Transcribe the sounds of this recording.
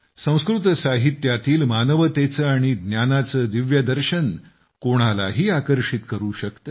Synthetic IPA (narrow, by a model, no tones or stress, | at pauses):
sə̃w̃skɾut̪saɦit̪jat̪iːlmanəʋət̪et͡səːaɽ̃id̪njanat͡səːd̪iʋjəd̪əɾɕən | koɽ̃ala̰ɦiːakəɾʂit̪kəɾuːɕəkt̪ə